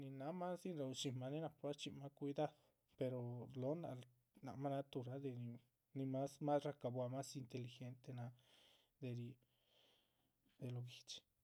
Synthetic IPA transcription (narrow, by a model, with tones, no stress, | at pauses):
nĩ˧nã˧˦mã˦si˦ɾa˧u˧t͡ʃi˧mã˧nĩ˦nã˧pa˦t͡ʃi˧mã˧kʷi˧ða˦ðo˨ | pe˧ɾo˧lo˨˦nã̰˧ | nã̰˨mã˦nã˧t̪u˧ɾa˧˦ðe˧nĩ˧ | nĩ˧mã˦smã˦sra˧ka˧βwa˧mã˦si˧nt̪e˧li˧xe˧˦nt̪e˧nã˧ | d̪e˧ɾi˧ | d̪e˧lo˧ɡi˧t͡ʃi̥˧